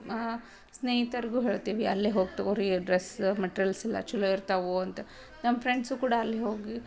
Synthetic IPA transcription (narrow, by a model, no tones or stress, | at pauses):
sneːɦit̪ɐɾiɡuɦeːɭt̪iʋiɐlːeɦoːɡt̪ɐoɾiɡɖɾesmeʈɾɐlsilːɐ̰t͡ʃulːoiɾt̪aʋuɐnt̪ɐ | nɐmːɐpʰɾeɳɖsukuːɽaːlːeɦoːɡi